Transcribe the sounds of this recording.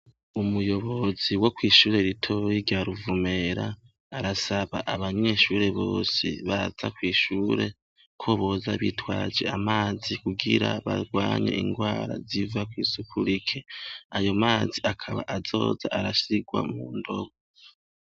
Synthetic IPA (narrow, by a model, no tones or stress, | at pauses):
umujo̞βo̞ziwo̞kwiːʃuːɾe̞ɾitʰo̞jiɾɟaɾuvume̞ɾaː | ɾasaβaʔaβaɲe̞ʃuːɾe̞βo̞̰ːsḭβaz̥akwiːʃuːɾe̞ | kʰoβo̞zaβḭtwaːd͡ʒe̞̰amaːzikuɡiɾaβaɡwaːɲḛʔiŋɡwaːɾa̰zivakwiːsukʰuɾikʰe̞ajo̞maːziakʰaβa̰ʔazo̞ːza̰ʔaɾasiɡwa̰muːndo̞ɡo